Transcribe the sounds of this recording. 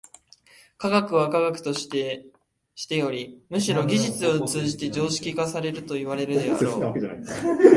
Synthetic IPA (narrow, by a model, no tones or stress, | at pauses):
kaɡakɯ̟βakaɡakɯ̟̥t̪o̞ɕt̪e | ɕi̥t̪e̞jo̞ɾʲimɯ̟ɕiɾo̞ɡʲiʑit͡sɨo̞t͡sɨːʑit̪e̞d͡ʑo̞ːɕi̥kʲikasaɾe̞ɾɯ̟t̪o̞iβ̞aɾe̞ɾɯd̪e̞a̰ɾo̞ː